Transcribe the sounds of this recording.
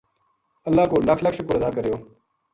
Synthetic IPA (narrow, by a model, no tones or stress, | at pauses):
ɐlːaːkoːlɐkʰlɐkʰʃʊkʊɾɐd̪aːkəɾejoː